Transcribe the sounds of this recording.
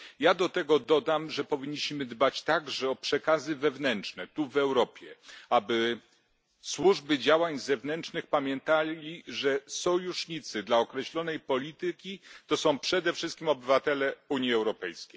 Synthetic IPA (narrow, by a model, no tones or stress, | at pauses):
jad̪ɔt̪ɛɡɔd̪ɔd̪amʐɛpɔvʲiɲːiɕmɘd̪bat͡ɕt̪aɡʐɛɔpʂɛkazɘvɛvnɛntt͡ʂt͡ʂnɛt̪uvɛwɾɔpʲjɛabɘ | swuʐbɘd͡ʑawaɲzɛvnɛnt͡ʂnɘxpamʲjɛnt̪alʲiʐɛsɔjuʂɲit̪sɘd̪laɔkɾɛɕlɔn̪ɛjpɔlʲit̪ɘkʲit̪ɔsɔ̃w̃pʂɛd̪ɛfʂɘst̪kʲimɔbɘvat̪ɛlɛuɲiɛwɾɔpɛjskʲej